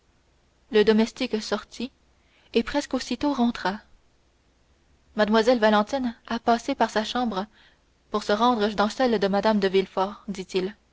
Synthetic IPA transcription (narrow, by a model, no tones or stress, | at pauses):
ləd̪ɔmɛst̪iksɔʁt̪ʰi | epχɛskosit̪oʁɑ̃t̪χa | mad̪mwazɛlvalɑ̃t̪inapasepaʁsaʃɑ̃ːbʁə | puʁsəʁɑ̃d̪ʁəd̪ɑ̃sɛld̪əmad̪amd̪əvilfɔːʁd̪it̪il